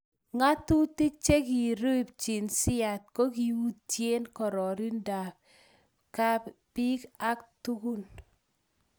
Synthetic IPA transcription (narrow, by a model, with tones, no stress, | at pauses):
ŋa˦tu˦ti˦k̚t͡ʃe˦ki˨ɾo˦˨p̚t͡ʃi˨nsɪ˦a˨t̚ko˦ki˨wu˦tje˦nkɔ˨ɾɔ˨ɾi˦nda˨k | ka˦pi˦ka˦ktu˦ku˦n